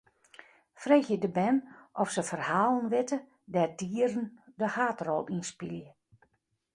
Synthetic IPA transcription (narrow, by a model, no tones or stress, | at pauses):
freːxjədəbɛnʔɔfsəfərhaːlˠənʋɪtə | dɛdiːəɾəndəhaːtrɔlˠinspiljə